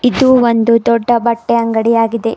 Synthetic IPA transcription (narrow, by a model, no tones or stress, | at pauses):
id̪uːʋond̪ud̪ɔɖːɐbɐʈːeɐŋɡɐɽijaːɡid̪e̞